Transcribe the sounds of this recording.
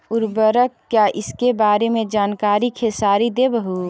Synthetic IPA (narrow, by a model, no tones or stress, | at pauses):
ʊɾbəɾəkkjaʔɪskebaːɾemẽd͡ʒaːnkaːɾikʰesaːɾid̪ebəɦu